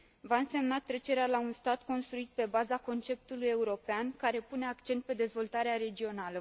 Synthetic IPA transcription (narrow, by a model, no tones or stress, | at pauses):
vaɨnse̞mnat̪ːɾe̞t͡ʃe̞ɾealaunst̪at̪ko̞nst̪ɾuit̪̚pe̞bazako̞nt͡ʃe̞p̚t̪uluje̞uɾo̞peankaɾe̞pune̞akt͡ʃe̞nt̪̚pe̞d̪e̞zvo̞lt̪aɾeaɾe̞d͡ʒio̞nalə